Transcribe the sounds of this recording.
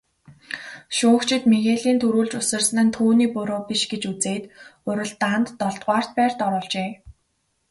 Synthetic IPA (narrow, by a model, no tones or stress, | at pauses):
ʃʊːkt͡ɕʰɪ̆t̪meɣeːɮiːnt̪ʰuɾuːɮt͡ɕʊsɘ̆rsnɘ̆nt̪ʰuːniːpʊɾoːpiʃɡet͡ɕut͡seːt̪ʊɾʲɪ̆ɮt̪ant̪ːɔɮt̪ʁ̥ʷaːr̥t̪̚pæːr̥t̪ɔɾʊːɮt͡ɕeː